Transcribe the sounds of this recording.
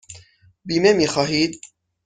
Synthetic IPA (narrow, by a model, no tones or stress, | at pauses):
biːmemixɑːhiːt̪̚